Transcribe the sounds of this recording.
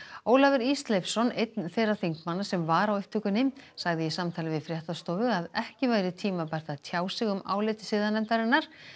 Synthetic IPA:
oːwlavɪɾist̪lɛfsɔnejt̪nfejrːaθiŋkmanːasɛmvaɾawʏht̪ʰːʏkʏnːɪmsaɣðɪjisamt̪ʰaːlɪvɪðfɾjɛht̪ast̪ɔːwvʏaðɛhcɪvaːjɾɪt̪ʰiːmapɛr̥t̪aðt̪ʰjaːwsɪɣʏma̰ːwleːt̪ɪ̥sɪːðanɛmt̪aɾɪnːaɾ̥

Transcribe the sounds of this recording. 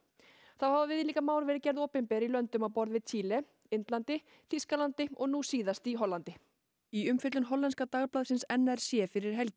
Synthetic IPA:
θahavavɪðliːkamaːwɾvɛɾɪcɛɾðoːwpɪmpɛɾilœnt̪ʏmawpɔɾðvɪðt͡ɕʰiːlɛ | ɪnt̪lant̪ɪ | θiskalant̪ɪɔɣnusiːðast̪iɦɔlːant̪ɪ | iʏmfɪt̪lʏnɦɔlːɛnskat̪aɣplaːðsɪnsɛnːɛɾ̥sjɛfɪɾɪɾ̥ɦɛlcɪ

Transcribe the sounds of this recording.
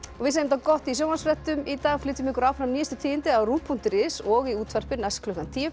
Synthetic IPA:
ɔɣvɪðsaːjemɪt̪akɔht̪isjoːwmansfɾɛht̪ʏmit̪aːɣflɪːt̪ʏmɪhkʏɾaːwfɾamniːjɪst̪ʏ̥t̪ʰiːðɪnt̪ɪawɾuːpʰːun̥t̪ɪɾɪsɔɣiuːt̪ʰvɛr̥pɪnaskʰlʏhkant̪ʰi

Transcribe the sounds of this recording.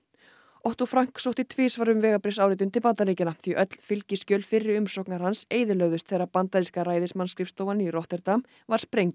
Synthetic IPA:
ɔht̪ɔfɾaŋ̥ksowht̪ɪt̪ʰveːsvaɾʏmvɛːɣapɾɪsawɾɪːt̪̬ʏnt̪ʰɪlpant̪aliːcɪnaθviʔœt̪l̥fɪlcɪscœːlfɪrːɪʏmsɔhknaɾ̥hanseːjðɪlœɣðʏst̪θejrːapant̪aɾiskaɾaːjðɪsmanskɾɪfst̪oːwvaniɾɔht̪ɛɾt̪am | vaɾ̥spɾejŋt̪

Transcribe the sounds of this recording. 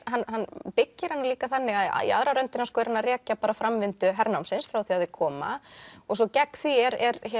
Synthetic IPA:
ɦanːɦanːpɪcːɪɾ̥hanːaliːkaθanːɪɣaða̰ḭa̰ðɾaɾœnt̪ɪnaskɔɛɾhanːaɾɛːcapaːɾafɾamvɪnt̪ʏɦɛɾnawmsɪnsfɾawθiaðɪkʰɔːma̰ɔɣsɔcɛkːθviɛɾɛɾ

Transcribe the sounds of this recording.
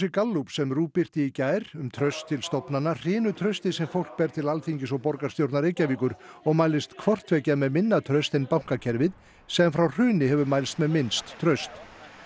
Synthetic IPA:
sɪkalːupsɛmruːpɪr̥t̪ɪicaːjɾʏmt̪ʰɾœɥst̪ʰːɪlst̪ɔpnanːar̥ɪːnʏt̪ʰɾœɥst̪ɪsɛmfowl̥k̚pɛɾt̪ʰɪlalθiɲcɪsɔɣpɔɾkḁst̪jowɾt̪naɾejcaviːkʏɾ̥ɔɣmaːjlɪst̪kʰvɔr̥t̪vɛːcamɛðmɪnːat̪ʰɾœɥst̪ɛjnpawŋ̥kacʰɛɾvɪð | sɛamfɾawr̥ʏːnɪhɛvʏmaːjlst̪mɛðmɪnst̪ʰːɾœɥst̪

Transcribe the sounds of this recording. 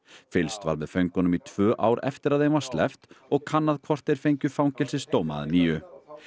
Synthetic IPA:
fɪlst̪va̰ɾvɪðfœɥŋkʏnʏmit̪ʰvœːʔa̰ːwɾɛ̰ft̪ɪɾaðhejnvaɾ̥st̪lɛ̰ft̪ɔɣkʰanːaðkʰvɔr̥t̪ɛjɾ̥fejɲcʏfawŋcɛlsɪst̪oːwma̰ðniːjʏ

